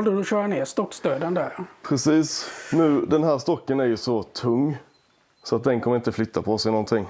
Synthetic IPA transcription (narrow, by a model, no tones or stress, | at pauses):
ld̪əd̪ʊɕœːɾaneːst̪ɔkːst̪øːd̪ənd̪æɾpʰɾɛsiːsnʉ̟ːd̪ɛnɦæːɾʂt̪ɔkːənæɾjɵsɔt̪ʰɵŋː | sɔat̪̚d̪ɛnkʰɔmːəɾɪnt̪əflʏt̪ʰːapʰɔsɛɪnɔnt̪ʰɪŋː